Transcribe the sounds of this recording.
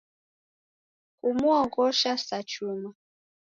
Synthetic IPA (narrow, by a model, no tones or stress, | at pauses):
kumuɔɣɔʃasat͡ʃuma